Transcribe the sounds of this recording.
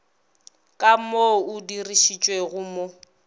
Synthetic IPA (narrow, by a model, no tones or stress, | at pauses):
kʼamoʊdiriʃit͡ʃʼweɣʊmo